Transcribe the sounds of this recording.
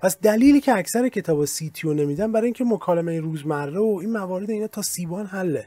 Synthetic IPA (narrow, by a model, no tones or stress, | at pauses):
pʰæsd̪æliːliːcʰeæcʰsæɾecʰe̞t̪ʰɒːbɒsiːt̪ʰijonemiːd̪ænbæɾɒːjĩŋcʰe̞mokʰɒːlemejeɾuːzmærːeoiːnmævɒːɾe̞d̪eiːnɒːt̪ʰɒːsiːbɒːnɦælːe